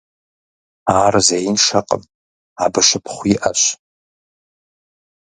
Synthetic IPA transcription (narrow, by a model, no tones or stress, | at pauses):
aːrazejnʂaqʼə̰m | abɨʂʷɨpʰχʷiʔaʃʷ